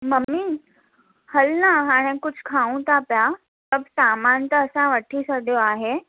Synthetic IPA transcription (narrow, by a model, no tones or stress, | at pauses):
məmːi | həlnaaɽ̃ekʊd͡ʑʱʰkʰaũt̪apja | səbʱsamãnt̪əːsãʋəʈʰiːsəɽjoaɦe